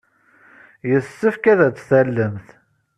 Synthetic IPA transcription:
jəsːəfkæðæt͡sːθælːəmθ

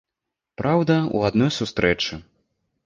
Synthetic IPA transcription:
pɾawd̪ɐṵad̪nɔjsust̪ɾɛt͡ʂɨ

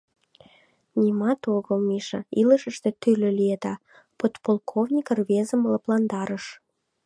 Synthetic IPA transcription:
nʲimɑt̪oɣəlˠmiʃɑiləʃə̆ʃt̪et̪ylʲølied̪ɑ | pot̪polkʰovnʲikərβezə̆mləplɑnd̪ɑɾəʃ

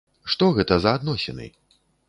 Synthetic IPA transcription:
ʂt̪ɔɣɛt̪ɐzɐːd̪nɔsʲɛ̰nɨ̰

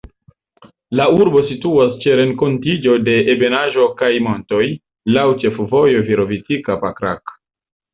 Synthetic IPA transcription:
lauɾbo̞situast͡ʃe̞ɾe̞ŋko̞ntid͡ʒo̞de̞ːbe̞naʒo̞kajmo̞nto̞j | lawt͡ʃe̞fvo̞jo̞viɾo̞vitikapakɾa̰k

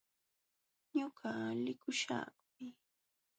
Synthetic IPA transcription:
ɲʊɢalɪkʊʃa̰ | mɪ

